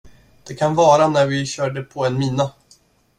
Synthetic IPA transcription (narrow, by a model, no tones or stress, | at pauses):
d̪̥ɛkʰanvɑːɾanæɾvɪɕœːɖəpʰɔɛnmiːna